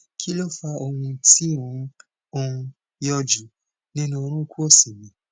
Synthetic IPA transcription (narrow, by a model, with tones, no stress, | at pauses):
kʰi˦lo˦˨fa˧ʔo˧hũ˧ti˦ũ˨˦ | õ˧ | jɔ˧d͡ʒi˨˦ | nĩ˦nũ˦o˧ɾ̃ũ˦˧ku˦o˦˨si˨mĩ˨˦